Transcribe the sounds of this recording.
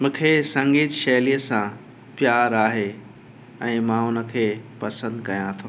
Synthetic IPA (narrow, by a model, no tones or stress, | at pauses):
mũːkʰesɐ̃ŋɡiːt̪ʃɐːlijəsã | pjaːɾaːɦe | ɛ̃ːmãʊnə̆kʰeːpɐsə̃nd̪kɐjãt̪ʰõ